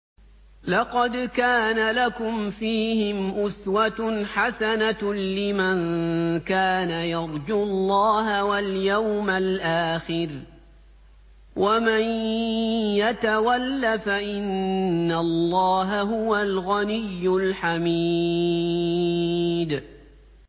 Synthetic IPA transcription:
lɑqɑd̪kaːnalakʊmfiːhɪmʔʊswat̪ħasanalɪmankaːnajɑɾˤd͡ʒulˤːɑːɦawaljawmalʔaːxɪɾ | wʔaman | jat̪awalːafaʔɪnːallˤːɑːɦaɦʊwalɣanɪjːʊlħami | d̪

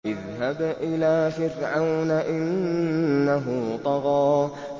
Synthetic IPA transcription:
ʔɪðɦabʔɪlaːfɪɾʕawnaʔɪnː | aɦʊt̪ˤɑɣɑː

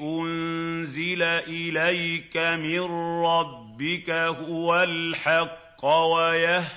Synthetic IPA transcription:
ʔʊnnzɪlaʔɪlajkamɪnɾɑbbːɪkahʊwalħɑqːwajah

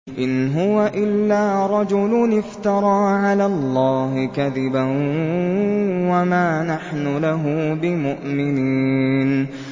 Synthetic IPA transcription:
ʔɪnɦʊwaʔɪlːaːɾˤɑd͡ʒʊlʊnɪft̪ɑɾˤɑːʕalaːllˤːɑːɦɪkaðɪban | wamaːnaħnʊlaɦʊbɪmʊʔmɪniːn

